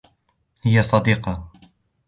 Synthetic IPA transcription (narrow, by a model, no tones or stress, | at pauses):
hɪjasˤɑd̪iːqɑ